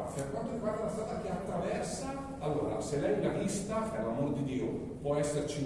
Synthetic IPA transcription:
perkwant̪oɾiɡwaːɾeunast̪aːt̪ak̟eat̪ːɾavɛrsaː | lːoːɾa̰selːɛjɡalist̪aɛalːamoːɾd̪id̪iːo | pwɔɛsːert͡ʃi

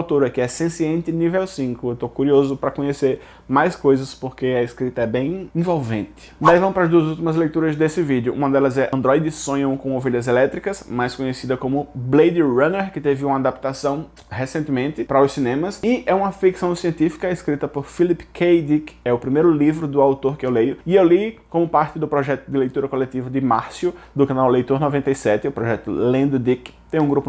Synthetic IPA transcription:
awt̪oɾɐkɪɛsẽsiẽnt̪ɪnivɛwsĩŋkʊewt̪okuɾiozʊpɾɐkõɲeseɾ | majskojzɐspoɾkeɐeskɾit̪ɐɛbẽj̃ẽvowvḛ̃nt̪ɪ̥d̪aɛivɐ̃m̃ʊpɾɐzd̪uɐzuwt̪imɐzlejt̪uɾɐzd̪esɪvid̪jʊʔũmɐd̪ɛlɐzɛʔɐ̃nd̪ɾɔjd̪ɪsõɲɐ̃kõoveʎɐzelɛt̪ɾikɐsmajskõɲesid̪ɐkõmʊblejd̪ɪɾɐ̃neɾkɪt̪evɪũmɐad̪apt̪asɐ̃w̃ | hesẽnt̪ɪmẽnt̪ɪpɾɐʊssinẽmɐsɪɛũmɐfiksɐ̃w̃siẽnt̪ifi̥kɐeskɾit̪ɐpoɾfilipkʰejd̪ikɛʊpɾimejɾʊlivɾʊd̪ʊawt̪oɾkɪewlejʊɪewlikõmʊpaɾt̪ɪd̪ʊpɾɔʒɛt̪ʊd̪ɪlejt̪uɾɐkolet̪ivɐd̪ɪmaɾsjʊd̪ʊkɐ̃nawlejt̪oɾnɔvẽnt̪ɐjsɛt̪ɪʊpɾɔʒɛt̪ʊlẽnd̪ʊd̪ikt̪ẽj̃ũɡɾupʊ

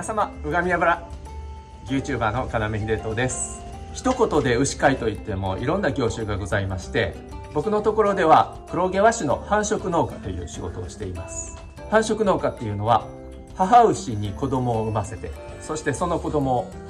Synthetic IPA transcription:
samaɯ̟ɡamʲiabɯɾa | jʲɯ̟ːt͡ɕɨːbaːno̞kanameçid̪e̞ːt̪o̞d̪e̞sɨ̥ | çi̥t̪o̞ko̞t̪o̞d̪e̞ɯ̟ɕi̥kait̪o̞it̪ːe̞mo̞̰ʔḭɾõ̞nːaɡʲo̞ːɕɨːɡaɡo̞zaimaɕi̥t̪e̞ | bo̞kɯ̟no̞t̪o̞ko̞ɾo̞d̪e̞βa | kɯ̟ɾo̞ɡe̞βaɕino̞hãɰ̃ɕo̞kɯ̟no̞ːkḁt̪o̞jɯ̟̰ːɕiɡo̞̰t̪o̞̰ːɕi̥t̪e̞imasɨ̥ | hãɰ̃ɕo̞kɯ̟no̞ːkat̪ːe̞jɯ̟no̞βa | haɦaɯ̟ɕiɲ̟iko̞d̪o̞mo̞ːɯ̟mase̞t̪e̞̰ | so̞ɕi̥t̪e̞so̞no̞ko̞d̪o̞mo̞ː

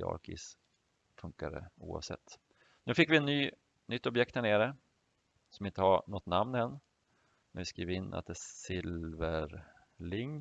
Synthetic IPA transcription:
ɑ̰ːɾkɪ̰s | fɵŋkaɾə̰ṵːa̰vsɛ̰t̪ː | nʉ̟ːfɪkːvɪɛnːyː | nʏt̪ːɔbjɛk̚t̪hæɳeːɾə | sɔmɪnt̪əhanɔt̪ːnamnhɛnː | mɛnvɪskɾiːvɪnːʔa̰t̪̚d̪ɛsɪlvəɾ | lɪŋː

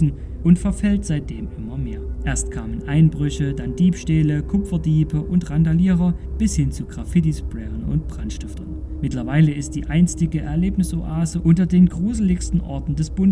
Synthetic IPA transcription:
n̩ | ʔʊntfɛɐfɛltz̥aɪt̚d̥eːmʔɪmɐmeːɐʔeːɐstkʰaːmənʔaɪnbʁʏçədandiːpʃteːləkʰʊpfɐdiːbəʔʊntʁandaliːʁɐb̥ɪshɪnt͡suɡʁafɪt̬isb̥ʁɛːʁənʊ̰ntb̥ʁ̥anʃtɪftɐn | mɪtlɐvaɪləɪst̚d̥iːʔaɪnstɪɡəʔɛɐleːpnɪsʔoʔaːzəʔʊntɐdeːnɡʁuːzl̩ɪçstn̩ʔɔ̰ɐtn̩dɛsb̥ʊn

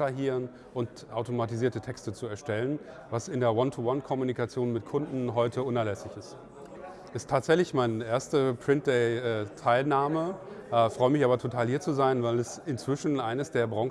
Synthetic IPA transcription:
aɦiːʁən | ʔʊnt | ʔaʊtomatiziːɐtətʰɛkstət͡suɛɐʃtɛlən | vasɪndeːɐwɔntʰuwɔnkʰɔmunikat͡sjoːnmɪtkʰʊndn̩ɦɔʏtʰəʔʊnɛɐlɛsɪçɪst | ʔɪstʰːaːtz̥ɛçlɪçmaɪnəʔeːɐstəpʁ̥ɪnt̚d̥eɪɛtʰaɪlnaːməʔɛfʁ̥ɔʏəmɪçaːbɐtʰotʰaːlhiːɐt͡suzaɪnvaɪlɛsɪnt͡sv̥ɪʃn̩ʔaɪnəsd̥eːɐbʁɔŋ

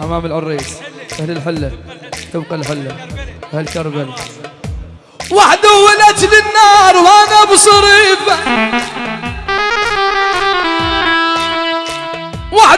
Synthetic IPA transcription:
ʔamaːmɪlʕʊrˤːiːsʔahlɪlħɪlːat̪ɪbqalħɪlːaʔahalkɑɾˤbal | waħd̪ʊwːalat̪lɪnːɑːɾˤwʔanabsˤɑɾiːfa | waħ

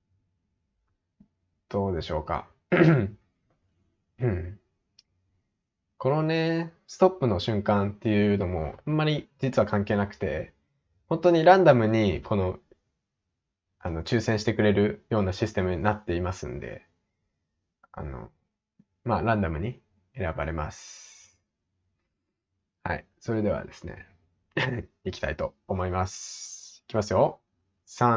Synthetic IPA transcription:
d̪̥o̞ːd̪e̞ɕo̞ːka̰ | ɯ̟̃ɴ | ko̞no̞ne̞sɨ̥t̪o̞pːɯ̟no̞ɕɨ̃ŋkãnt̪ːe̞jɯ̟no̞mo̞̰amːaɾʲid͡ʑit͡sɨβakãŋke̞ːnakɯ̟̥t̪e̞̰ | hõ̞nt̪o̞ɲ̟iɾãnd̪amɯ̟ɲ̟ikʰo̞no̞ | ano̞t͡ɕɨːsẽ̞ɰ̃ɕit̪e̞kɯ̟ɾe̞ɾɯ̟jo̞ːnaɕisɨ̥t̪e̞mɯ̟ɲ̟inat̪ːe̞imasɨ̰̃nd̪e̞̰ | a̰no̞̰ | maɾãnd̪amɯ̟ɲ̟i | e̞ɾaba̰ɾe̞ma̰sɨ̥ | ha̰ḭ | so̞ɾe̞d̪e̞β̞a̰d̪e̞sɨne̞̰ | ikʲi̥t̪ait̪o̞ːmo̞imasɨ̥i̥kʲimasɨjo̞ | sã

